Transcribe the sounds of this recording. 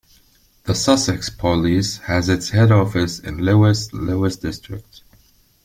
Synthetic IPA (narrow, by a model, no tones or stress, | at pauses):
ðəsʌsɛkspʰəlishɨzɨtshɛɾɔfɨsɪ̰̃nloɪsloɨsd̥ɪstɹ̥ɪ̰k̚t